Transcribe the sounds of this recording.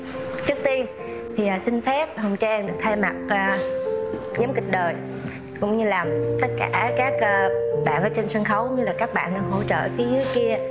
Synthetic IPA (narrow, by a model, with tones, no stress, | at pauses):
t͡ɕɨ˦˥ək̚t̪i˧ən | t̪ʰi˨˩ʔəː˨˩sï˧ŋfɛ˦˥p̚hə˨˩wŋ͡mt͡ɕɛː˧ŋɗɨ˨˩ək̚t̪ʰaː˧jma˨˩t̚ʔəː˧˩ | ɲə˨˦mŋ͡mkï̟˨˩ɗəː˨˩j | kʊ̰˧˥ŋ͡mɲɨ˧laː˨˩mt̪ə˦˥t̚ka̰ː˧˩kaː˦˥k̚əː˧ɓa̰ː˧˨vəː˨˦t͡ɕe˧nsə˧nxə˨˦wɲɨ˧laː˨˩kaː˦˥k̚ɓa̰ː˧˨nɗaː˧ɦo̰˧˨t͡ɕə̰ː˧˨ki˨˦zɨ˨˦əjki˧ə